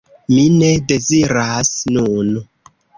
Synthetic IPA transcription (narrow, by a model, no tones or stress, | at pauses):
minede̞ziɾasnun